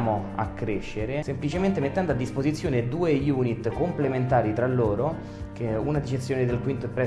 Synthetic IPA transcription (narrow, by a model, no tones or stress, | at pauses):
moa̰kːɾeʃːeɾesemplit͡ʃement̪emet̪ːɛnd̪oad̪ːispozit̪sːjoːned̪uːejuːnit̪ːkomplement̪aːɾit̪ɾalːoːɾo | keunad̪it͡ʃet̪sːjoːned̪elkwint̪oɛpːɾɛ